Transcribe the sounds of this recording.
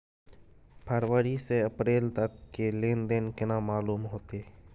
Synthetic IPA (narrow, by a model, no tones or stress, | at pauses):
pʰəɾwəɾiseəpɾeːlt̪əkːelẽːnd̪enkɪnamaːluːmɦoːt̪eː